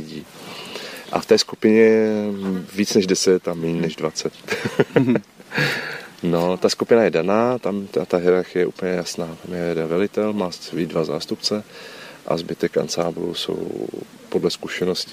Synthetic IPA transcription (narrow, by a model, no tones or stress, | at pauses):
ɪɟiː | ʔa̰ft̪ɛːskupɪɲɛ | viːt͡snɛʒdɛsɛt̪amiːnnɛʒdvat͡sɛt̪ | no̞t̪askupɪnajɛdanaːt̪amt̪t̪aɦɪɾaɾxɪjɛʔṵːpəɲɛjasnaːt̪amjɛjɛdɛnvɛlɪt̪ɛlmaːviːdvaza̰ːst̪upt͡sɛʔa̰zbɪt̪ɛka̰nsaːblṵso̞̰w | po̞dlɛskuʃɛno̞scɪ̥